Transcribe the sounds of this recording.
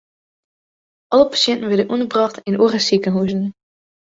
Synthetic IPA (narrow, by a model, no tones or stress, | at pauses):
ʔɑləpḁsjɛntən̩ʋɛdənʔunəbrɑχtɪnʔoːrəsikənɦuzən